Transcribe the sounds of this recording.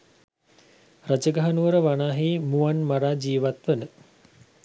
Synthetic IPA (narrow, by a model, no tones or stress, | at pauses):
rad͡ʒəɡaɦanuʋəɾəʋanaːɦiːmuanmaɾaːd͡ʒiːʋat̪ʋənə